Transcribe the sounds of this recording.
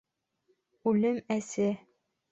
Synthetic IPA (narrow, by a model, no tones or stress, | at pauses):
ʉlɘmæsɘ